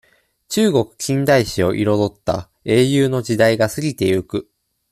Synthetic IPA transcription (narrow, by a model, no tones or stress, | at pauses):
t͡ɕɨːɡo̞kɯ̟̥kʲĩnd̪aiɕio̞̰ʔiɾo̞d̪o̞t̪ːa̰ | e̞ːjɯːno̞d͡ʑid̪aiɡasɨɾʲit̪e̞jɯkɯ̟